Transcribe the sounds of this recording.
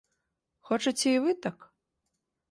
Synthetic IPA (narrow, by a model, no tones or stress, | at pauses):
xɔt͡ʂɐt͡sʲɛivɨt̪ak